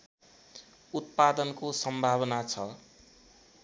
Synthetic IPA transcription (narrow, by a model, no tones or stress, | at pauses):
ut̪̚pad̪ʌnkosʌmbʱaβʌnat͡sʰʌ